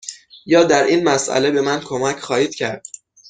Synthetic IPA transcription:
jɒːd̪æɾʔinmæsʔæ̰le̞be̞mænkʰomæcʰχɒːhiːd̪̥cʰæɾd̪̥

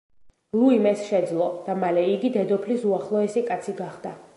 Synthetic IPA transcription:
lˠuimɛsʃɛd̪zlˠɔd̪̥amalɛiɡid̪ɛd̪ɔpʰlisuaχlˠɔɛsikʼat̪sʰiɡaχd̪a

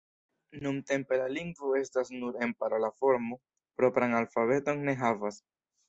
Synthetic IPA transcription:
numte̞mpe̞laliŋɡvoe̞stasnuɾe̞mpaɾolafo̞ɾmo | pɾo̞pɾaŋalfaβe̞to̞ŋne̞ɦavas

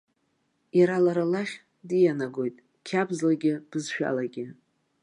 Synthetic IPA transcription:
jaɾalaɾalaχʲ | dijanaɡo̞jtʼ | kʲʰabzlaɡʲɪb̥ɨzʃᶣa̰laɡʲɪ

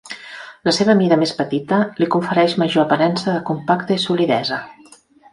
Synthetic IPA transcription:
ləseβəːmiðəmespət̪it̪əlikuɱfəɾɛʃməʒoəpəɾɛnsəðəkumpakt̪əisuliðɛzə

